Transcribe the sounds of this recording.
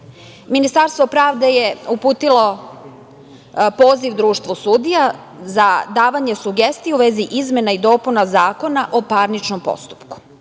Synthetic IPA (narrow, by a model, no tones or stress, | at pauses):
minist̪aɾst̪ʋo̞pɾaːʋd̪eje̞upuːt̪ilo̞ | poːziʋd̪ɾuːʃt̪ʋosuːd̪ija | zad̪aːʋaɲe̞suɡest̪ijeuʋeziʔizme̞naid̪o̞ːpunazaːko̞naʔopaɾnit͡ʃnompo̰st̪u̥pku̥